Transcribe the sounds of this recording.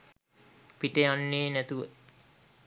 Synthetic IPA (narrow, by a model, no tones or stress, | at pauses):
piʈəjanːeːnæt̪uʋə